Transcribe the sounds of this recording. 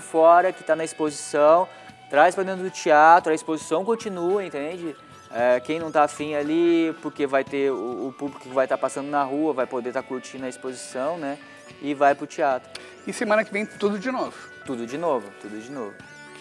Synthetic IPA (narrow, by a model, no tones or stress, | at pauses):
fɔɾɐkɪ̥t̪anɐispozisɐ̃w̃ | t̪ɾajspɾɐd̪ẽt̪ɾʊd̪ʊt͡ʃiat̪ɾʊɐispozisɐ̃w̃kõt͡ʃinuɐẽnt̪ẽd͡ʒɪ | ɛkẽj̃nɐ̃w̃t̪afĩj̃alipʊɾkevajt̪eʊːpublikʊ̥kɪvajt̪aɾpasɐ̃nd̪ʊnɐɦuɐvajpod̪eɾt̪aɾkuɾt͡ʃĩnʊɐispozisɐ̃w̃nɛ | ɪvajpɾʊt͡ʃiat̪ɾʊ | ɪsemɐ̃nɐkɪvẽj̃t̪ud̪ʊd͡ʒɪnovʊ | t̪ud̪ʊd͡ʒɪnovʊt̪ud̪ʊd͡ʒɪnovʊ